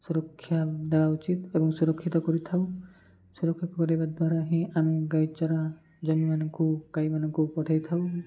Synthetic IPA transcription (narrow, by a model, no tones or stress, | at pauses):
suɾɔkʰːjad̪ebaut͡ʃit̪ebɔŋsuɾɔkʰːit̪ɔkɔɾit̪ʰaw | suɾɔkʰːit̪ɔkɔɾibad̪waɾaɦĩamiɡajt͡ʃɔɾa | d͡ʒɔmimanɔŋkukajmanɔŋkupɔʈʰajt̪ʰaw